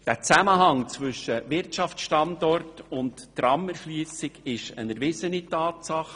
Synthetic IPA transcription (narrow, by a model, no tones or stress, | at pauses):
d̥æt͡sæməɦɑŋt͡sʋʏʃəvɪɾtɑft͡sʃtɑndɔrtʊntːrɑmɛɾʃliːsɪɡɪʃə̰nɛɾvɪsənitɑːtsɑχ